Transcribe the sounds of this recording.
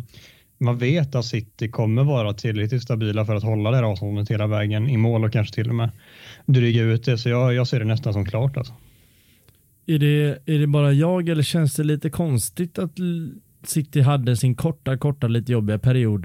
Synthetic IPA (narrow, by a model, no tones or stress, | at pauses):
manveːt̪at̪sɪt̪ːɪkʰɔmːəɾvɑːɾat̪ʰɪlːɾɛkt̪ɪt̪st̪abiːlafœɾat̪hɔlːad̪ɛhæːɾɑːvst̪ɔnd̪ət̪heːlavɛːɡənɪmoːlɔkʰːanʂə̥t̪ʰɪlːɔmɛːd̪ɾyːɡəɾʉ̟ːt̪̚d̪ɛsɔjɑjɑːseːɖɛnɛst̪ansɔmkʰlɑːʈa̰lsɔ̥ | æɖɛæɖɛbɑːɾajɑːɡɛlːəɕɛnsd̪ɛliːt̪əkʰɔnst̪ɪt̪at̪ | sɪt̪ːɪɦad̪ːəsɪnkʰɔʈːakʰɔʈːaliːt̪əjɔbːɪɡapʰæɾɪuːd̪